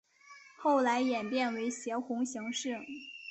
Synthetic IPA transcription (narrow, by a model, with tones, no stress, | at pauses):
xo˥˩ʊla˧˥ɪjɛ˨˩npjɛ˥˩nwe˧˥ɪɕjɛ˧˥xʊ˧˥ŋɕɤ˧˥ŋʂɻ̩˥˩